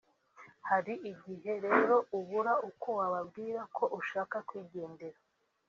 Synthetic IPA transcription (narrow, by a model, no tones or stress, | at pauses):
haɾiʔiɟiɦe̞ɾe̞ːɾo̞uβuɾauko̞waβabɡiːɾakʰo̞ʔuʃaːkakwiːɟe̞ːnde̞ɾa